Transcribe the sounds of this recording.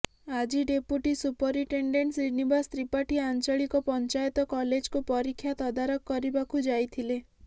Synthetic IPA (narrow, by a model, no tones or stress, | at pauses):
ad͡ʒiɖepuʈisupɔɾiʈeɳɖeɳʈsɾinibast̪ɾipaʈiant͡ʃɔɭikɔpɔnt͡ʃajɔt̪ɔkɔled͡ʒkupɔɾikʰːjat̪ɔd̪aɾɔkːɔɾibakʰud͡ʒajt̪ʰile